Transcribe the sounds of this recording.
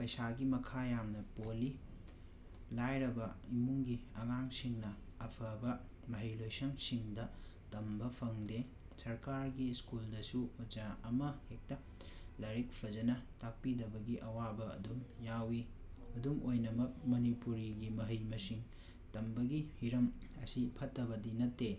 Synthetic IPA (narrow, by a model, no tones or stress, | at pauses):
pɐjsaɡimɐkʰajamnɐpoli | lajɾɐbɐimuŋɡiɐŋaŋsiŋnɐɐpʰɐbɐ | mɐɦɐjlojsɐŋsiŋdɐ | tɐmbɐpʰɐŋde | sɐɾkaɾɡiskuldɐsuod͡ʒaɐmɐhek̚tɐ | lɐɾik̚pʰɐd͡ʒɐnɐtak̚pidɐbɐɡiʔɐwabɐ̰ːduŋjawi | ɐduŋʔojnɐmɐk̚mɐnipuɾiɡimɐɦɐjmɐsiŋ | tɐmbɐɡihiɾɐmɐsipʰɐtːɐbɐdinɐtːe